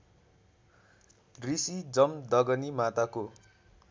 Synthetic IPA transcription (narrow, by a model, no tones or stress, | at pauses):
risid͡zʌmd̪ʌɡʌnimat̪ako